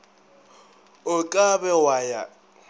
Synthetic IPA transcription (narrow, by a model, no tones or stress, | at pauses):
ʊkʼabɛwaja